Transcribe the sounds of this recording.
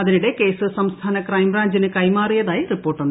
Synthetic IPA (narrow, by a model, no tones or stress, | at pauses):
ɐðiniɽe̞ke̞ːsɨsɐmst̪ʰaːnɐkrɐjmraːɲd͡ʑinɨkɐjmaːrijɐðaːjiripːo̞ːrʈːunːɐ